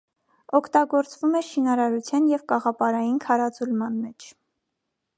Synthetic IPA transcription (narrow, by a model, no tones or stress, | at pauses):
ɔkʰt̪ɑɡɔɾt͡svumɛʃinɑɾɑɾut͡sʰjɑnjɛvkɑʁɑpɑɾɑjinkʰɑɾɑt͡sulmɑnmɛt͡ʃʰ